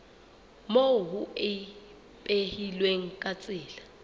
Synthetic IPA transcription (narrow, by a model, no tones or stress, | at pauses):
moɦʊɪ | pʼehilweŋ̩kʼat͡sʼɪːla